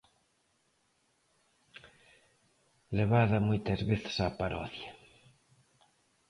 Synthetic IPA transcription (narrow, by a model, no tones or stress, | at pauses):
leβaðɐmojt̪ɐzβeθɪ̥sapaɾɔ̰θja